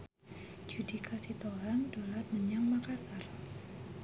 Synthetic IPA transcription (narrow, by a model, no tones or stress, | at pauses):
d͡ʒudikʰasit̪oɦaŋdolat̪̚məɲaŋmakasar